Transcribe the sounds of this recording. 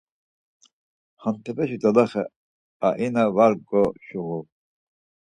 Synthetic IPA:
χant̪ʰɛpɛʃid̪alaχɛ | aʔinavaɾɡɔʃuɣu

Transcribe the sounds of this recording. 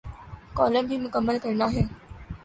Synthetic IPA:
kɔːlə̃mbʱiːmʊkəmːəlkɐɾənaːɦeː

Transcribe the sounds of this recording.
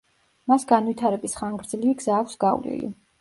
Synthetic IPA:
masɡanwit̪ʰaɾɛbisχaŋɡɾd̪zliviɡz̥aːksɡawlḭlḭ

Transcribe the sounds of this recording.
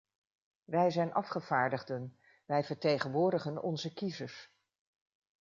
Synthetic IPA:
ʋɛjzɛjnʔɑfχəv̥aːɹdəχdən | ʋɛjvəɹtejχənʋʊːɹdəχənɔ̰nzəkizəɹs

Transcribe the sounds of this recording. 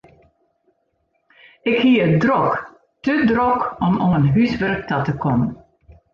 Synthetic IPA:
ɪkhiəədrɔk | tədrɔkɔmɔənɦysʋɛrk̚tɔtəkʰɔmən

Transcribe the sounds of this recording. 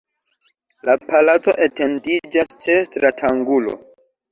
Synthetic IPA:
lapalat͡so̞ʔete̞ndid͡ʒast͡ʃetɾatʰaŋɡulo̰

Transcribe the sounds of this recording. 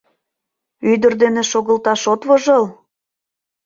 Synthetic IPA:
yd̪ə̆rd̪eneʃoɣəlt̪ɑʃot̪βoʒɤl

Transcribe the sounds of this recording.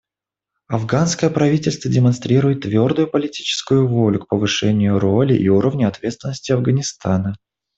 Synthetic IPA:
ɐvɡanskəjəpɾɐvʲitʲɪlʲst̪vədʲɪmɐnst̪ɾʲiɾʊjɪt̪ːvʲo̞rd̪ʊjʊpəlʲɪtʲi̥t͡ɕɪ̥skʊjʊvo̞lʲʊk̚pəvɨʂɛnʲɪjʊɾo̞lʲɪʔiuɾəvnʲəɐt̪vʲet̪st̪vʲɪnəsʲtʲɪɐvɡənʲɪst̪anə

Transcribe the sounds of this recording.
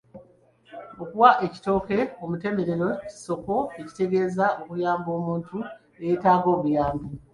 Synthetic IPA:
okuwaʔeci̥to̞ːke̞o̞mute̞me̞ɾeɾo̞ci̥so̞ko̞e̞ci̥te̞ɡe̞ːzao̞kujaːmbo̞ːmuːntu | ejetaːɡo̞ːβujaːmbi

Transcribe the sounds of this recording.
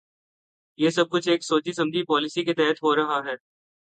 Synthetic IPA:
jeːsɐb̚kʊt͡ʃʰeːksoːt͡ʃisɐ̃md͡ʒ̪ʱipɔːlɪsiket̪ɛɦt̪ɦoɾɐɦaɦɛː

